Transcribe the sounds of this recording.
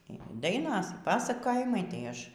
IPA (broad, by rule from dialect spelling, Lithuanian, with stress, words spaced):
iː ˈdɐɪnoːs iː ˈpɑːsɐkoːjɪmɐɪ tɐɪ ˈɐʃ